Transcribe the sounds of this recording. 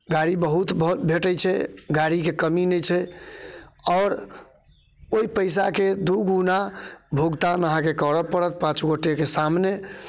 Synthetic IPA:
ɡaɾibəɦut̪b̪bʱeʈəjt͡ʃʰɛɡaɾikekəminɛt͡ʃʰɛ | ɔʊɾ | oipəjs̬aked̪uɡunabʱoɡt̪anəɦãkekəɾəpəɽət̪̚pãt͡ʃɡoʈekesamne

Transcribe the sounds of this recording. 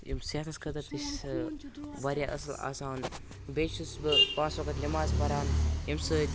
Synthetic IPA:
jimset̪ʰɐskɐt̪ɐt̪iʃ | ʋɐɾʲjaːʔɐ̰sɐla̰ːsaːn | beːusbɨpãːsʋɐkɐt̪lʲimaːzbɐɾaːnimsəːt̪ʲ

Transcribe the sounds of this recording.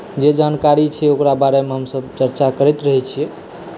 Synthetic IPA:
d͡ʒed͡ʒankaɾit͡ʃʰɛokɾabaɾemeɦəmsəbt͡ʃəɾt͡ʃakəɾɛt̪ɾəɦɛt͡ʃʰijɛ

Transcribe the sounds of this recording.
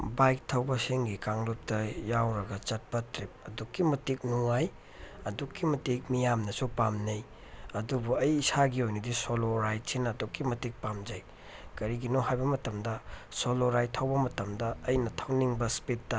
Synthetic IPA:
bajk̚tʰɐwbɐseŋɡikaŋlup̚tɐjawɾɐɡɐt͡ʃɐt̚pɐtɾip̚ɐdukːimɐtik̚nuŋaj | ɐdukːimɐtik̚mijamnɐsupamnɐj | ɐdubuɐjːsaɡiojnidisoloɾajt̚sinɐːdukːimɐtik̚pamd͡ʒɐj | kɐɾiɡinoɦajbɐmɐtɐmdɐsoloɾajttʰɐwbɐmɐtɐmdɐːjnɐtʰɐwniŋbɐspitːɐ

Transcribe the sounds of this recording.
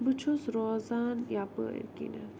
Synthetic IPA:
bɨt͡ʃʰosɾoːzanjapə̰kḭnə

